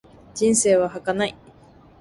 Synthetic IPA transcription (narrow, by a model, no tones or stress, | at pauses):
d͡ʑĩɰ̃se̞ːβahakanai